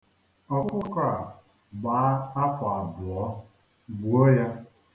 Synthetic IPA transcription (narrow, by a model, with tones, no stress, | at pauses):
ɔ˨˦kʊ˦ka˨ | ɡ͡baː˨˦a˦fʊ˨a˨bʊ˨ɔ˦ | ɡ͡bu˨o˦ja˦